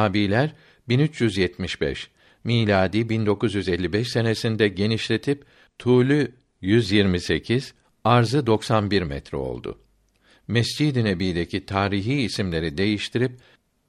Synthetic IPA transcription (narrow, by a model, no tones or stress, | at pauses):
aːbiːlʲæɾ | binyt͡ʃjyzjɛt̪miʃbɛ̰ʃ | miːlʲaːd̪iːbind̪o̞kuzjyze̞lʲːibɛʃse̞ne̞sind̪ɛɟe̞niʃlʲe̞t̪ʰip | t̪ʰuːlʲy | jyzjiɾmise̞cʰiz̥ | aɾzɯd̪o̞ksanbiɾmɛ̰t̪ɾɛ̰o̞̰lˠd̪ʊ̰ | mɛsd͡ʒid̪ine̞biːd̪e̞cʰit̪ʰaːɾiɦiːsimlʲe̞ɾid̪e̞jiʃt̪ʰiɾip̚